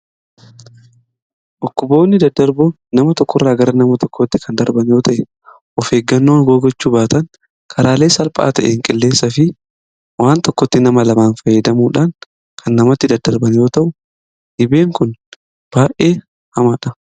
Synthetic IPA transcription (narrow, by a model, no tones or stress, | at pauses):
ʔɔkːʊbo̞ːnːɪd̪ɐd̪ːɐɾbʊ | nɐmɐt̪ɔkːɔrːaːɡɐɾɐnɐmɐt̪ɔkːɔt̪ːɪkʰɐnd̪ɐɾbɐnjo̞ːt̪ʰɐʔɛ | ʔɔfe̞ːɡːɐnːoːnɡoːɡɔt͡ʃːuːbaːt̪ɐŋ | kʰɐɾaːleːsɐlpʼa̰ːt̪ɐ̰ʔeːŋkʼɪlːe̞ːsːɐfɪ | waːnt̪ɔkːɔt̪ːɪnɐmɐlɐmaːnfɐjːɐd̪ɐmuːᶑaːŋ | kʰɐnːɐmɐt̪ːɪd̪ɐd̪ɐɾbɐnjo̞ːt̪ɐʔʊ | ʔɪbe̞ːŋkʊn | b̥aːʔʔeː | hɐmaːᶑɐ